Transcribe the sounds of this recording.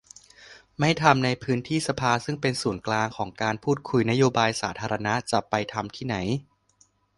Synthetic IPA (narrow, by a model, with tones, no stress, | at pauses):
ma˥˩jt̪ʰa˧mna˧jpʰɯː˦˥nt̪ʰiː˥˩sa˧pʰaː˧sɯ˥˩ŋpe˧nsuː˩˦nklaː˧ŋkʰɔː˩˦ŋkaː˧npʰuː˥˩t̪̚kʰu˧jna˦˥joː˧baː˧jsaː˩˦t̪ʰaː˧ɾa˧na˦˥t͡ɕa˨˩pa˧jt̪ʰa˧mt̪ʰiː˥˩na˩˦j